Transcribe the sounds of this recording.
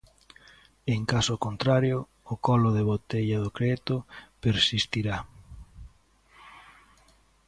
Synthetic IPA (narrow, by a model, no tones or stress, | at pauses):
eŋkasokont̪ɾaɾjʊː | kɔlʊðeβot̪eʎɐðokɾet̪ʊpeɾsist̪iɾa